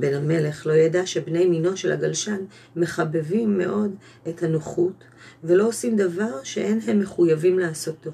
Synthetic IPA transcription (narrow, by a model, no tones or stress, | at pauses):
bename̞le̞χlo̞jadaʃe̞bne̞jmino̞ʃela̰ɡalʃan | me̞χabevimːe̞̰ʔo̞d | ethanoχut | ve̞loosimdavaʁʃe̞ʔe̞nɦemːe̞χujavimlaːso̞tːov